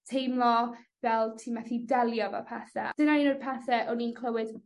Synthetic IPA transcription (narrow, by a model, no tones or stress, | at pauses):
tʰejmlˠɔvɛlˠtʰiːmaθidɛlˠjɔva̰pʰaθɛ̰d̥ənaninoːd̥̚pʰaθɛʔɔniːnkʰlˠəwɪd